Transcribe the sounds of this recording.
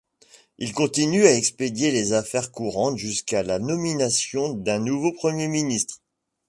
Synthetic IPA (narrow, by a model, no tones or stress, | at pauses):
ilkɔ̃t̪inyaɛksped̪jelezafɛʁkuʁɑ̃t̪ʒyskalanɔminasjɔ̃d̪ɛ̃nuvopχəmjeminist̪χ